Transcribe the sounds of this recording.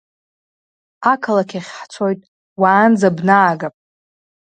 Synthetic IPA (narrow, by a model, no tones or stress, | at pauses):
akʰalakʲʰaχʲħt͡sʰo̞jtʼ | waːnd͡zabnaːɡapʼ